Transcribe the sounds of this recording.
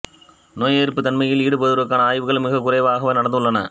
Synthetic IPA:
noːjeːɾɯpːɯt̪ːɐnmɐjɪliːɽɯpɐðɯɾɯkːaːnɐaːjʋɯɣɐɭmɪɣɐkʊrɐɪʋaːɣɐʋɐnɐɽɐnd̪ɯɭːɐnɐ

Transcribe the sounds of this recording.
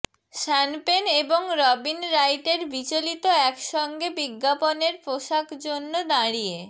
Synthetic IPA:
ʃɛnpeneboŋɾɔbinɾajʈeɾbit͡ɕolit̪oɛkʃɔŋɡebiɡːaponeɾpɾoʃakd͡ʑonːod̪aɽie

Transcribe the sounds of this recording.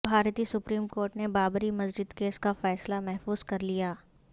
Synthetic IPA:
bʱaːɾt̪iːsʊpɾiːmkoːɾʈnebaːbɾimɐsd͡ʒɪd̪keːskafɛːslamɛɦfuːzkɐɾlijaː

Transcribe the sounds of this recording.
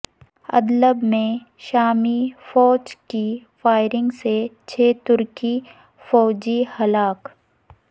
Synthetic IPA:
ɐ̰d̪ləbmẽ | ʃaːmifɔːd͡ʒkifaːɪɾɪ̃ŋɡset͡ʃʰeːt̪ʊɾki | fɔːd͡ʒihɐlaːk

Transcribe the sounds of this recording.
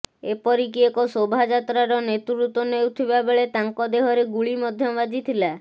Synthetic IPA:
epɔɾik̬iekɔsobʱad͡ʒat̪ɾaɾɔnet̪uɾut̪ɔnewt̪ʰibabeɭet̪aŋkɔd̪eɦɔɾeɡuɭimɔd̪ʱjɔbad͡ʒit̪ʰila

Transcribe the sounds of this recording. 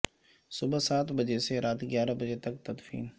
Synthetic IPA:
sʊbəsaːt̪bɐd͡ʒeseɾaːt̪ɡjaːɾabɐd͡ʒet̪ɐk̚t̪ɐd̪fḭːn

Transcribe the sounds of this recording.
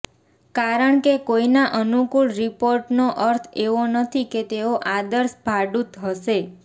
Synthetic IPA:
kaɾəɳkekoinaʔənukuɭɾipoɾʈnoʔəɾt̪ʰeʋonət̪ʰiket̪eoʔad̪əɾsbʱaɖut̪ɦəʃe

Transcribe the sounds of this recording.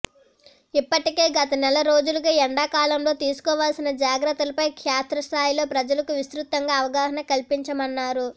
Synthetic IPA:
ipːɐʈike̞ːɡɐt̪ɐnɛlɐɾo̞ːd͡ʒuluɡaːɛɳɖakaːlɐmlo̞ːt̪iːsu̥kɔːʋaːlsinɐd͡ʒaːɡɾɐt̪ːɐlɐpɐjkʂaːt̪ɾɐst̪ʰaːjilo̞ːpɾɐd͡ʒɐlɐkuʋist̪ɾut̪ːɐŋɡaːɐʋɐɡaːɦɐnɐkɐlipiɲt͡ʃɐmɐnːaːɾu

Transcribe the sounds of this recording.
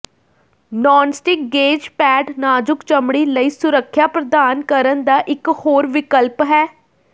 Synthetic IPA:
nɔːnsʈɪk̚ɡeːd͡ʒpɛːɖnaːd͡ʒʊkt͡ʃəmɽiːləiːsʊɾəkʰːjaːpɾəd̪aːnkəɾənd̪aːʔɪkhoːɾʋɪkəlpɦɛː

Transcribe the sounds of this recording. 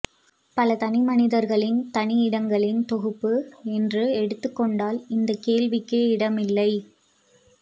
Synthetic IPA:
pɐlɐt̪ɐnɪmɐnɪðɐɾɣɐɭɪnt̪ɐnɪɪɽɐŋɡɐɭɪnt̪ɔɣɯpːɯɛndrɯɛɽɯt̪ːɯkːɔɳɖaːlɪnd̪ɐkeːlʋɪkːeːɪɽɐmɪlːɐɪ

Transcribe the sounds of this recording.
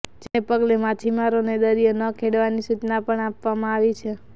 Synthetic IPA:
d͡ʒeepəɡlemat̪ʰimaɾoned̪əɾijənəkʰeɽʋanisut͡ʃnapəɳapʋamãaʋit͡ʃʰe

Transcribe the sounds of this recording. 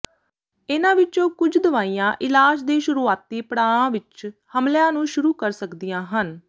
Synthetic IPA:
ɪnãːʋɪt͡ʃõːkʊd͡ʒd̪əʋaːiːjãːʔɪlaːd͡ʒd̪eːʃʊɾuːaːt̪ːiːpəɽaːɽãːʋɪt͡ʃhəmljãːnũːʃʊɾuːkəɾsəkd̪ijãːɦən

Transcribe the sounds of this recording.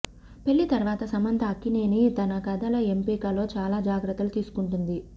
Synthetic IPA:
pe̞ɭːit̪ɐɾʋaːt̪ɐsɐmɐnt̪ʰɐːkːine̞ːnit̪ɐnɐkɐd̪ɐlɐempiːkɐlo̞ːt͡ʃaːlaːd͡ʒaːɡɾɐt̪ːɐlut̪iːsu̥kuɳʈund̪i

